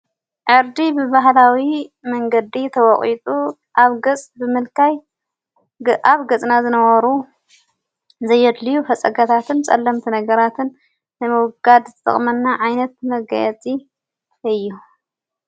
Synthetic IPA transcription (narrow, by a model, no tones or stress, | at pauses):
ʕɨɾd̪ibɨbaɦlawimɐŋɡɐd̪it̪ʰɐwɔχʼit̪ʼu | ʔaβɡɐt͡sʼbɨmɨlkʰaj | ʔaβɡɐt͡sʼnazɨnɐwɐɾu | zɐjːɛd̪lijufɐt͡sʼɐɡat̪ʰat̪ʰɨnt͡sʼɐ̰lːɐmt̪ʰinɐɡɐɾat̪ʰɨnː | ɨmɨwʊɡad̪zt̪ʼɨ̰χʼmɐnːaʕajnɐt̪̚mɐɡa̰jɛt͡sʼi | ɨjːu